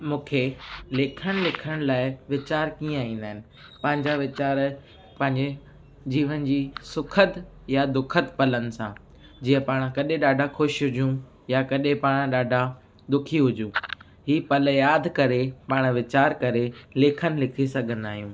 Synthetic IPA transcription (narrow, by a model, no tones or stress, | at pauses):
mũːkʰelɪːkʰəɽ̃ɪ̆lɪkʰəɽ̃laːɪʋɪt͡ɕaːɾkĩːə̃ĩːn̆d̪aːɦɪnɪ̆ | pɐ̃ɦɪ̃ɲd͡ʑaʋɪt͡ɕaːɾ | pɐ̃ɦɪ̃ɲd͡ʑe | d͡ʑiːʋənɪ̆d͡ʑiːsʊkʰət̪ | jad̪ʊkʰət̪pɐlənɪ̆sã̰ | d͡ʑiːə̃paːɽ̃kɐɗẽɗaːɖʱaxʊʃɦʊd͡ʑũ | jakɐɗẽpaːɽ̃ɗaːɖʱa | d̪ʊkʰiɦʊd͡ʑũː | ɦiːpɐljaːd̪ʱkɐɾepaːɽ̃ʋɪt͡ɕaːɾkɐɾeleːkʰənɪ̆lɪkʰisɐɡʱə̃nd̪aːɦijũː